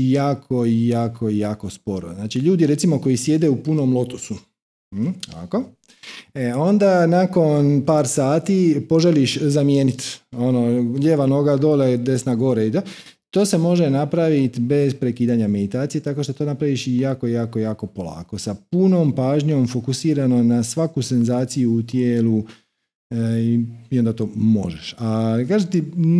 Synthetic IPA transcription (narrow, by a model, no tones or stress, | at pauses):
jaːkʰo̞ijaːkʰo̞ijaːko̞spo̞ɾo̰znaːt͡ʃiʎuːd̪iɾe̞t̪simo̞ko̞jisje̞d̪eupunomlo̞t̪osu | a̰ko | eo̞nd̪anako̞npaːɾsaːt̪ipo̞ʒeliʃzamjeːnit̪o̞noʎeːʋanoɡad̪oled̪e̞snaɡo̞ɾeit̪o | t̪o̞ːse̞mo̞ʒenapɾaʋit̪be̞zpɾe̞kiːd̪aɲame̞d̪it̪aːt̪ije̞t̪ako̞ʃt̪ot̪o̞napɾaʋiʃjaːkojaːkojaːko̞po̞la̰ːko̞sapuno̞ːmpaːʒɲo̞mfo̞kusiːɾano̞nasʋakuse̞nzaːt̪sijuːt̪jeːlu | iio̞nd̪at̪o̞ːmo̞̰ʒeʃakaːʒet̪i